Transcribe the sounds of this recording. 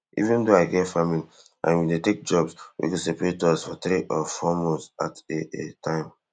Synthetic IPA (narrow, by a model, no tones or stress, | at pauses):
ḭvĩndoaɪɡɛtfamili | ʔã̰nwidetek̚d͡ʒɔbswḭkusepaɹetɔsfɔtɾiʔɔfɔmɔsa̰tetʰãɪ̃m